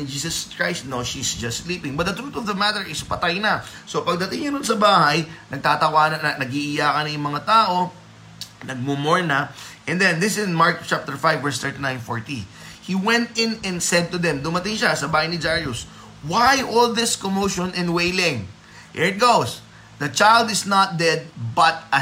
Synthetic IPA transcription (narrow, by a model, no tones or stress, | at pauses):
ɪd͡ʒiːsɐskɹajst̪noʃisd͡ʒɐstːliːpɪ̃ŋbɐt̪̚d̪ɐt̪ɾuːt̪ɔvðɐmat̪əɹɪspɐt̪ajnɐsopɐɡ̚d̪ɐt̪ɪŋɲɐnʊnsɐbaːhɐjnɐɡ̚t̪aːt̪ɐwaːnɐnɐnɐɡ̚iʔɪjaːkɐnɐjʊŋmɐŋat̪aːʔo̞ | nɐɡ̚mʊmoɹnɐʔɛ̃nd̪ɛ̃nd̪ɪsnmaɹkt͡ʃap̚t̪ɛɹfajvːɛɹst̪ɛɹt̪inãjnfo̰ɹt̪i | hiwɛ̃nt̪̚ɪ̃nɛ̃nsɛd̪̚t̪ʊd̪ɛ̃md̪ʊmɐt̪ɪŋʃasɐbaːhɐjnɪd͡ʒaɹjʊs | wajʔolðɪskomowʃɔnɛ̃nwejlɪ̃ŋ | hḭɹɪt̪̚ɡows | d̪ɐt͡ʃajld̪ɪsnɐt̪̚d̪ɛd̪̚bɐt̪̚ɐ